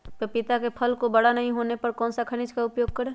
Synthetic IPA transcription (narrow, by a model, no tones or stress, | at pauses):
ppɪt̪akepʰəlkobəɽanəɦĩɦonepəɾkɔ̃ːnsakʰənid͡ʒkaʊpjoːɡ̚kəɾe